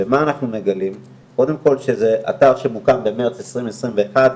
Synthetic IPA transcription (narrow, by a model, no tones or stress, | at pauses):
vemaːnaχnuneɡalim | ko̞d̪e̞mko̞lʃeze̞ʔa̰taʁʃemukambe̞meʁt͡sesʁimesʁimve̞ːχad̪